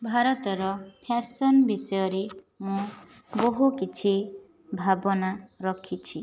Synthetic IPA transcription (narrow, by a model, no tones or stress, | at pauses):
bʱaɾɔt̪ɔɾɔpʰasɔnbisɔjɔɾe | mũ | boɦukit͡ʃʰi | bʱabɔnaɾɔkʰit͡ʃʰi